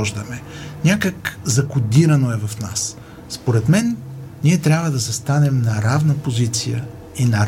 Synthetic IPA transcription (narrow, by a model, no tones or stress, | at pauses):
ɔʒd̪əmɛnʲakəkzɐkʊd̪iɾɐnoɛvɐfna̰s | spoɾɛt̪mɛnːiɛt̪ɾʲjabvəd̪ɐsɐst̪anɛmnɐɾavnəpozit̪sijə̰ | inɐ